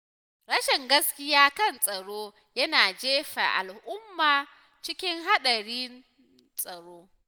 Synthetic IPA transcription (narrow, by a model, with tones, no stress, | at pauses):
ɽɐ˦ʃɛ˨ŋɡɐ˦skʲɪ˦jaː˦kɐ˦˨nsʼɐ˨ɽoː˦ | jɐ˦naː˨d͡ʒeː˦ɸa̰˨ʔa̰˨lʔʊ˦mːaː˨ | t͡ʃɪ˦kʲɪ˦ŋɦa˦ɗɐ˨ɽiː˦n | sʼɐ˨ɽoː˦